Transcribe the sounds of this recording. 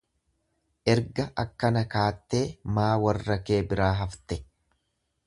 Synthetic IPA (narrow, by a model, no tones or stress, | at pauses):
ʔɛɾɡɐʔɐkːɐnɐkaːt̪ːe̞ːmaːwɐrːɐke̞ːbɪɾaːɦɐft̪ɛ